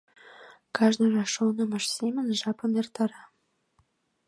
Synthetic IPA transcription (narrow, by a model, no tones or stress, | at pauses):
kɑʒnɤ̆rɑʃonɤ̆mɑ̆ʃsʲemɘ̆nʒɑpɤ̆mert̪ɑɾɑ